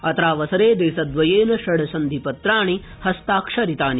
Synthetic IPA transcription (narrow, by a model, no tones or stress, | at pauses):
ɐt̪ɾaːʋɐsɐɾeːd̪eːsɐd̪ʋɐjeːnɐʃɐɽɐsɐnd̪ʱipɐt̪ɾaːɳi | hɐst̪aːkʂɐɾit̪aːni